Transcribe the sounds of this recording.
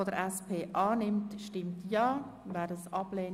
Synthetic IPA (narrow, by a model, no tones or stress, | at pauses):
odəɾɛspʰeːʔɑːnɪmtʃtɪmtjɑːvɛːɾdɑsɑb̥leː